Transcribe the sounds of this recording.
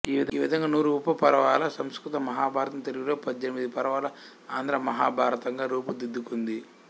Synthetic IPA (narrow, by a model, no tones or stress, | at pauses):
iːʋid̪iːʋid̪ʱɐŋɡaːnuːɾuːpːɐpɐɾɐʋaːlɐsɐmskɾut̪ɐmɐɦaːbʱaːɾɐt̪ɐnt̪eɾiɡiɾoːpɐd͡ʒːenimid̪ipɐɾɐʋaːlɐ | aːnd̪ɾɐmɐɦa̰ːbʱaːɾɐt̪ɐŋɡaːɾuːp̬ud̪id̪ːukund̪i